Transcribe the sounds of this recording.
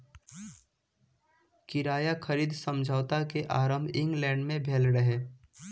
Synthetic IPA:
kɪɾaːjakʰəɾiːd̪ʱsəmd͡ʒʱəːwt̪akeʔaːɾəmbʱɪ̃ŋɡlɛ̃ːɳɖmẽbʱeːlɾəɦeː

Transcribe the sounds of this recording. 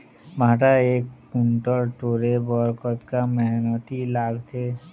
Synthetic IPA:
bʱãʈaekːuɳʈɔɾʈoɾebɔɾkɔt̪kamɛɦnɔt̪ilaɡt͡ʃʰe

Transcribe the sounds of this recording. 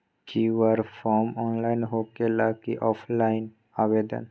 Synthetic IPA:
kʰiʋəɾfʰɔːɾmɔːnlaːɪnɦoːkelaːkiʔɔːpʰlaːɪn | aʋed̪ə̰n

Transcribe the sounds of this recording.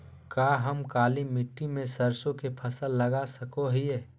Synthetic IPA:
kaːɦəmkaːlimɪʈːimẽsəɾsõkepʰɐsəlːɐɡasəkoɦiɛː

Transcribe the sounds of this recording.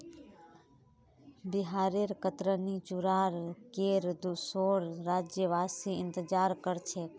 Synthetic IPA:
bɪɦaːɾeːɾkət̪ɾənit͡ʃuɾaːɾkeːɾd̪usoːɾːaːd͡ʒjəʋaːsiːɪnt̪əd͡ʒaːɾkəɾt͡ʃʰeːk

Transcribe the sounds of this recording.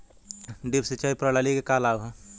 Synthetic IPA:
ɖibsit͡ʃaipɾəlalikekalawɦ

